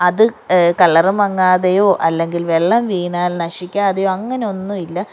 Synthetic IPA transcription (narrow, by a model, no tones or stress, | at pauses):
ɐðɨkɐɭːɐrɐmʋɐŋːaːðɐjo̞ːʔɐlːe̞ŋɡilʋe̞ɭːɐmʋiːɳaːlnɐʂikʲːaːðɐjoːɐŋːɐneo̞nːuilːɐ